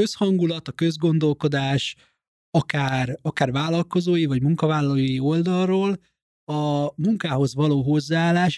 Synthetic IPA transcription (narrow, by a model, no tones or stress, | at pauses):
øshɒŋɡulɒt̪ɒkø̞zɡo̞n̪d̪o̞lko̞d̪aːʃ | ɒkaːrɒkaːrvaːlːɒlko̞zoːjivɒɟmuŋkɒvaːlːɒlojio̞ld̪ɒrroːl | ɒmuŋkaːɦo̞zvɒloːɦo̞zːaaːlːaːʃ